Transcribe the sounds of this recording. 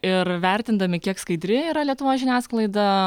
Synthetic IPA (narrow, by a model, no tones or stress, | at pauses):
ɪɾʋʲæɾʲt̪ʲɪnd̪ɐmʲɪkʲiɛkskɐɪd̪ʲɾʲɪiːɾɐlʲiɛt̪ʊʋoːsʒʲɪnʲæːsklˠɐɪd̪ɐ